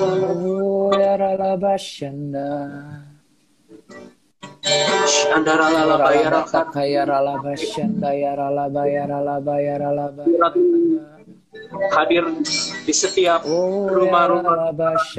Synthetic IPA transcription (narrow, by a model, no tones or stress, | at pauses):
jaɾalabaʃanda | adaɾaaaɾajaɾaakajaɾalabaʃandajaɾalabajaɾalabajaɾalabaɾat̪ | hadɪrdisət̪iapoɾuamaɾuamaabaʃ